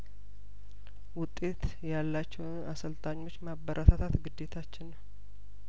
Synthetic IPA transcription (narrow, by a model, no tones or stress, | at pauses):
wʊt̪ʼːe̞t̪ | jalːat͡ʃːɛwnʔasəlt̪ʼaɲːo̞t͡ʃːmabəɾʔat̪ʰat̪ʰat̪ɡɨd̪ːe̞t̪ʰat͡ʃːɪnːəw